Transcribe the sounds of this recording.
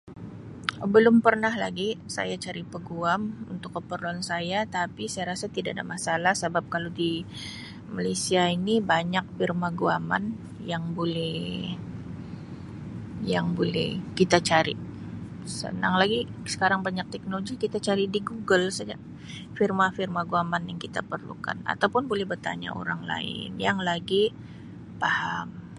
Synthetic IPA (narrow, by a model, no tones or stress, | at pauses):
bəlʊmpərnahla̰ɡisa̰jat͡ʃaɾipəɡuamṵnt̪ʊkːəpərluansajat̪apisajaɾasat̪idaʔada̰masalahsəbap̚kalodi | malesiainibaɲak̚firmaɡuama̰n | jaŋbolɛh | jaŋbolɛhkit̪at͡ʃaɾḭ | sə̰naŋlaɡisə̥kaɾaŋbaɲak̚t̪ɛk̚noloɡikit̪at͡ʃaɾidiɡuɡəlsad͡ʒa̰ʔ | firmafirmaɡuamanjaŋkit̪apərlṵka̰na̰t̪awpʊnbolɛhbərt̪a̰ɲa̰ʔo̰ɾaŋla̰ɪ̰njaŋlaɡi | paham